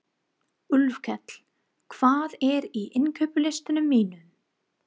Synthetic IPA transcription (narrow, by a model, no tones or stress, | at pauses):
ʏlvkʰɛt̪l̥ | kʰv̥aːðɛɾiʔɪnkʰœɥpʏlejst̪ɪnʏmːiːnʏ